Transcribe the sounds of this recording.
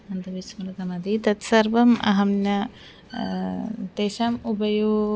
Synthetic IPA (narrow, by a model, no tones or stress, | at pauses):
ɐnd̪ɐʋismɐɾɐk̪ɐmɐd̪it̪ɐt̪sɐɾʋɐmɐ̰ɦɐmnɐ | t̪eːʃaːmubɐju